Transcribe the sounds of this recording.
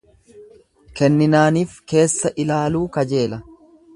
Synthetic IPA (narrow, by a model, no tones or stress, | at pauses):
kɛnːɪnaːniːfke̞ːsːɐʔɪlaːluːkɐd͡ʒe̞ːlɐ